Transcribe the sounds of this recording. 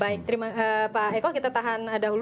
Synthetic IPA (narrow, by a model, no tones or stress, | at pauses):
aɪk̚t̪əɾimaəpaɛkɔkit̪at̪aɦanadaɦul